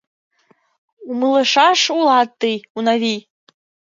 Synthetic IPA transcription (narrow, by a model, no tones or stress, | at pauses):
umɨlˠɨʂaʂulˠat̚t̪ʼːɨjunavʲij